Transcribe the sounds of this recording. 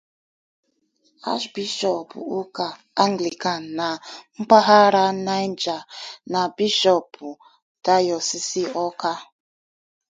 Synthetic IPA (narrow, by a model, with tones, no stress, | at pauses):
a̰˦ʃbi˦ʃɔ˨pṵ˨u˦ka˨ | a˦ŋɡli˨ka˨nː˨a˨ŋ͡m̩˦k͡pa˦ɦa˦ɾa˦na˦jn˦d͡ʒa˨na˨bi˦ʃɔ˦pu˨ | da˦jɔ˨si˦si˦ɔ˦ka˦